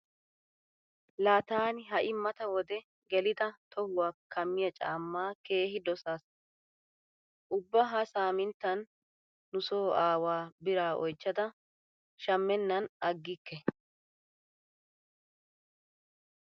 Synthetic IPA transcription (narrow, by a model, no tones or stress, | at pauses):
laːt̪aːnɪɦɐʔɪmːɐt̪ɐwɔd̪ɛ | ɡɛlɪd̪ɐt̪ʰɔhʊwaːkʰːɐmːɪjɐt͡ʃʼa̰ːmːaːke̞ːɦɪd̪ɔsaːs | ʔʊbːɐɦɐsaːmɪnt̪ːɐnː | ʊso̞ːʔaːwaːbɪɾaːʔɔjt͡ʃːɐd̪ɐ | ʃɐmːɛnːɐnɐɡːɪkːɛ